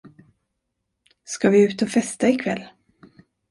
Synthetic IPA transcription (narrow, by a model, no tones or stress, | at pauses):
skavɪʉ̟ːt̪ɔfɛst̪aɪkʰvɛlː